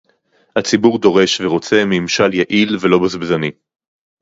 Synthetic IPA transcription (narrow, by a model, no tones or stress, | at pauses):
hat͡sibuʁd̪o̞ʁe̞ʃveʁo̞t͡se̞miimʃaljaʔilvelo̞bazbzani